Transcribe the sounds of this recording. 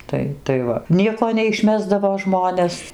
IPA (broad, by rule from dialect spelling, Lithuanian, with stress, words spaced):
ˈtɐɪ tɐɪ ˈʋɐ ˈnʲiɛkoː nʲɛɪʃʲˈmʲæːzdɐʋoː ˈʒmoːnʲɛs